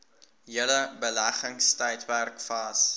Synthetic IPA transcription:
ɦiələbəlæχəŋstœjtværkfɐs

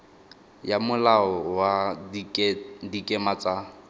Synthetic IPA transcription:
jamʊlaɔwa | dikʼɛmat͡sʼa

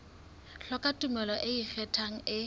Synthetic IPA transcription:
ɬɔkʼatʼumɛlɔʔɪik͡xʰɛtʰaŋ̩ɪ

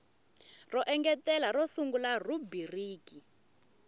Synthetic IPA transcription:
rɔʔɛŋɡɛtɛlarɔsuŋɡularubiriːki

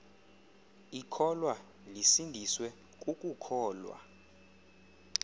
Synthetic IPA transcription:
ikʰɔlwa | lisindʱiswɛ | k̬ʼukʼukʰɔːlwa̰

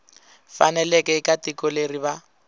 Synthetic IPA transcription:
fa̰nɛlɛkʼɛɪkatikɔleriba

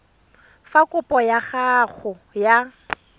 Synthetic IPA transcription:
fakʼʊpʼɔjaχaɣʊ | ja

